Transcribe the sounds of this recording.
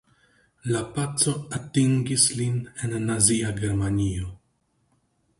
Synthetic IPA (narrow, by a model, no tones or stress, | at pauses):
lapat͡sːoat̪ːĩŋɡislinɪnanaziːaɡɛɾmaniːo